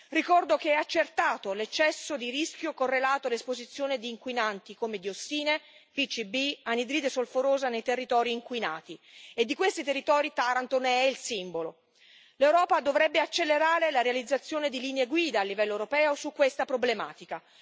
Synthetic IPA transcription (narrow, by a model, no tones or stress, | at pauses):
rikɔrd̪okeɛat͡ʃːert̪aːt̪olet͡ʃːɛsːod̪iɾisk̟jokorːelaːt̪oalespozit̪sːjoːned̪iːŋkwinant̪ikomed̪iosːiːne | pit͡ʃːibianid̪ɾiːd̪esolfoɾoːzanejt̪erːit̪ɔːɾiːŋkwina̰ːt̪ied̪ːikwest̪it̪erːit̪ɔːɾit̪aɾant̪onɛilsimbolo | lewɾɔːpad̪ovɾɛbːeat͡ʃːelːeɾaːɾelaɾealid̪zːat̪sːjoːned̪iliːneeɡwiːd̪aːlːivɛlːoewɾopɛːosukːwest̪apɾoblema̰ːt̪ika